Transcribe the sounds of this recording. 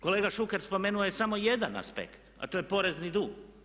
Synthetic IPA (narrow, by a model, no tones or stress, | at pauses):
ko̞leɡaʃuke̞ɾspo̞meːnuojesamoje̞d̪ana̰spḛkt̪a̰t̪ojepo̞ɾe̞znid̪uːɡ